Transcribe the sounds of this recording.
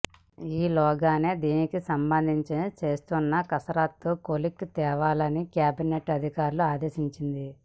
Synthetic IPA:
iːlɔːɡaːneːd̪iːnikisɐmbɐnd̪ʱiɲt͡ʃit͡ʃe̞ːst̪unːɐkɐsɐɾaːt̪ːukolikt̪ɛːʋaːlɐnikjaːbineʈɐd̪ʱikaːɾuluaːd̪e̞ːʃiɲt͡ʃind̪i

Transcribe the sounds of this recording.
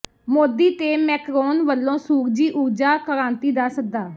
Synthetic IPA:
moːd̪iːt̪eːmɛːkɾoːnʋəlːõːsuːɾd͡ʒiːʔuːɾd͡ʒaːkəɾãːnt̪iːd̪aːsək̚d̪aː

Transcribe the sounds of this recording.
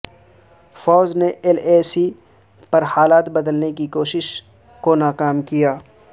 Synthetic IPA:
fɔːzneeleːsi | pɐɾhaːlaːt̪bɐd̪əlnekikoːʃɪʃ | konaːkaːmkijaː

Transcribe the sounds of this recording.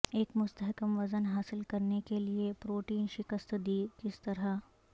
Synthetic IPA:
eːkmʊst̪əɦkəmʋɐzənɦaːsɪlkɐɾnekeliepɾoːʈiːnʃɪkəst̪d̪iːkɪst̪ɐɾa

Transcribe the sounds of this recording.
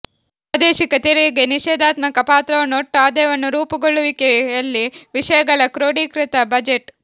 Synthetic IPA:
aːd̪eːʃikɐt̪iɾeɡeniʃeːd̪aːt̪mɐkɐpaːt̪ɾɐʋɐnːoʈːaːd̪eːʋɐnːuɾuːpɐɡoɭːuʋikejɐlːiʋiʃɐjɐɡɐɭɐkɾoːɽiːkɾit̪ɐbɐd͡ʒeʈ

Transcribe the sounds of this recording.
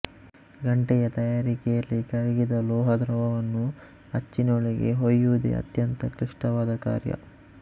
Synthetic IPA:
ɡɐɳʈɛjɐt̪ɐjaːɾikɛjɐlːikɐɾɛɡid̪ɐlɔːɦɐd̪ɾɐʋɐʋɐnːu | ɐt͡ʃːinoːɭiɡe̞̰ɦojːuʋud̪ḛɐ̰t̪jɐnt̪ɐkɾiʂʈɐʋaːd̪ɐka̰ːɾjɐ̰

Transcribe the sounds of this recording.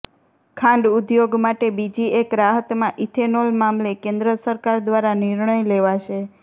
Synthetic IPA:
kʰãɳɖud̪joɡmaʈebid͡ʒiekɾaɦət̪mãʔit̪ʰenolmamlekẽnd̪ɾəsəɾkaɾd̪ʋaɾaniɾɳəjleʋaʃʰe

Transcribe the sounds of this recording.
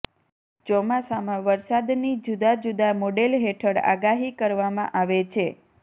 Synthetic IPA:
d͡ʒɔmasamãʋəɾsad̪nid͡ʒud̪ad͡ʒud̪amoɖelɦeʈʰəɽa̰ɡaɦikəɾʋamã̰ʔaʋet͡ʃʰe

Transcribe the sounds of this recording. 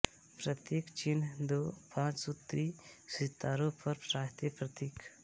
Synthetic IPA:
pɾət̪eːkt͡ʃind̪oːpãːt͡ʃsɔt̪ɾiːsɪt̪ːaːɾõpʰəɾpɾaːɦt̪epɾɐt̪iːk

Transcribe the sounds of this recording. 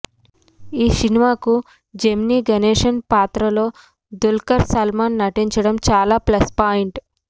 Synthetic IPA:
iːsinimaːku | d͡ʒemniːɡɐneːʂɐnpaːt̪ɾɐlo̞ː | d̪ulkɐɾsɐlmaːnːɐʈiɲt͡ʃɐɽɐmt͡ʃaːlaːplɐspaːjiɳʈ

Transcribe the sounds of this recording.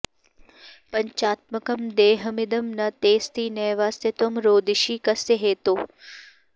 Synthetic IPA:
pɐɲt͡ʃaːt̪̚mɐkɐmd̪eːɦɐmɪd̪ɐmnɐt̪eːst̪ʰiːneːʋaːset̪ɐmɾoːd̪iʃiːkɐseɦeːt̪oː

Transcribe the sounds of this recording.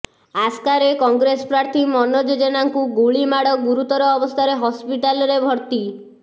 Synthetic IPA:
askaɾekɔŋɡɾesɔ̥pɾaɾt̪ʰimɔnɔd͡ʒed͡ʒenaŋkuɡuɭimaɽɔɡuɾut̪ɔɾɔːbɔst̪ʰaɾeɦɔspiʈalɔɾebʱɔɾt̪i

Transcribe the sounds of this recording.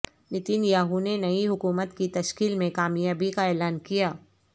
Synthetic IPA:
nɪt̪iːnjaːɦunenɐiɦʊkuːmət̪kit̪ɐʃkiːlmẽkaːmijaːbikaɛːlaːnkijaː

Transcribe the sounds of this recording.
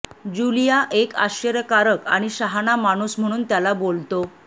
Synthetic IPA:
d͡ʑulijaʔeka̰ɕəɾjəkaɾəka̰ɽ̃iɕaɦanamaɽ̃uːsm̤əɽ̃uːnt̪jalabolt̪o

